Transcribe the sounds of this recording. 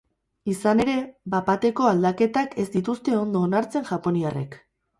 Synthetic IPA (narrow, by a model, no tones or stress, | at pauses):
isane̞ɾe̞bapat̪e̞ko̞ald̪ake̞t̪ake̞zd̪it̪ust̪e̞o̞nd̪o̞ːnaɾt͡se̞nʝapo̞niare̞k